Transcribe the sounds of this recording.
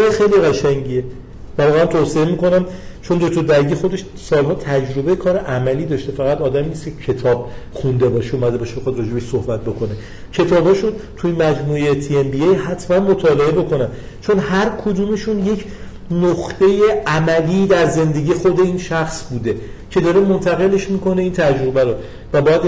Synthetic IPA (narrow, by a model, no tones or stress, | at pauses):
ɾexe̞jliɣæʃæŋɟie | vævɒːɣeænt̪ʰoːseemiːkonæm | t͡ʃʰo̞nd̪ot̪ʰod̪æɾɟixo̞d̪e̞ʃ | sɒːlɦɒːt̪ʰæd͡ʒɾo̞be̞jekʰɒːɾeʔæmæliːd̪ɒːʃt̪e̞fæɣæt̪ɒːd̪æmiːnist̪kcʰecʰe̞t̪ʰɒːb̥̚χund̪e̞bɒːʃeumæd̪e̞bɒʃebexɒd̪ɾɒːd͡ʒeeʃsohbæt̪̚bo̞kʰo̞ne̞ | cʰe̞t̪ʰɒːbhɒːʃunt̪ʰuinmæd͡ʒmuːejet̪ʰiembiejhæt̪ʰmænmot̪ʰɒːle̞e̞bo̞kʰo̞næn | t͡ʃʰo̞nhæɾkʰod̪uːme̞ʃunje̞cʰ | noχt̪e̞je̞æmæliːd̪æɾze̞nd̪e̞ɟiːje̞xo̞d̪e̞iːnʃæxsbuːd̪e̞cʰe̞d̪ɒːɾe̞mont̪ʰæɣe̞le̞ʃmiːko̞ne̞iːnt̪ʰæd͡ʒɾo̞bæɾo | væbɒːjæd̪